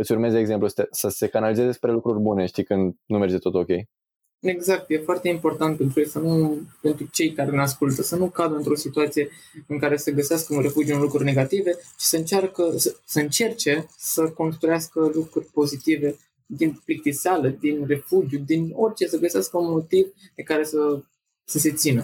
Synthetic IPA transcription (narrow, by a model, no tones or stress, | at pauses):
ɨt̪sʲurmezeɡze̞mplust̪esəse̞kanalizezespɾe̞lukɾurʲbune̞ʃt̪ikɨnd̪nume̞rd͡ʒe̞t̪o̞t̪o̞kʲe̞̰j | e̞ɡzak̚t̪je̞foart̪e̞impo̞rt̪ant̪̚pet̪ɾujejsənupe̞nt̪ɾut͡ʃe̞jkaɾe̞neaskult̪əsənukad̪əɨnt̪ɾo̞sit̪uat̪sije̞ | ɨŋkaɾe̞səɡəseaskəunre̞fud͡ʒijuunlukɾurʲne̞ɡat̪ive̞ʃi̥səɨnt͡ʃarkəsəsəɨnt͡ʃe̞rt͡ʃe̞səko̞nst̪ɾujaskəlukɾurʲpo̞zit̪ive̞ | d̪inplik̚t̪isaləd̪inre̞fud͡ʒjud̪ino̞rʲt͡ʃe̞səɡəseaskəunmo̞t̪ivd̪ekaɾe̞sə | səse̞t̪sinə